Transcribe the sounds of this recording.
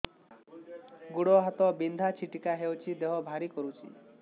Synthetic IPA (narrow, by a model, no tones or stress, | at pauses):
ɡuɽɔɦat̪ɔbind̪ʱat͡ʃʰiʈikaɦewt͡ʃʰid̪eɦɔbʱaɾikɔɾut͡ʃʰḭ